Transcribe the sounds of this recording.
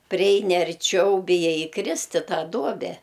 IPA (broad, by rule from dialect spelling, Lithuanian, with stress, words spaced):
pʲrʲɪˈɛɪnʲɪ ɐrʲˈt͡ʃʲɛʊ bʲɪˈjɛɪ iːˈkrʲɪsʲtʲ ɪ ˈtɑː ˈduɔbʲɛ